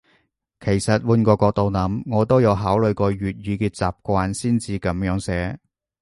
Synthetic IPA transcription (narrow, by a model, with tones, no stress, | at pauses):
kʰe˨˩jsɐ˨t̚wuː˧nkɔː˧kɔː˧k̚t̪o˨˧wnɐ˨˥mŋɔː˨˧t̪o˥wjɐ˨˧wɦaː˨˥wlɵ˨˧ɥkɔː˧ɥyː˨t̚jiː˨˧kɛː˧t͡saː˨p̚kʷaː˧nsiː˥nt͡siː˨˧kɐ˨˥mjœː˨˥ŋsɛː˨˥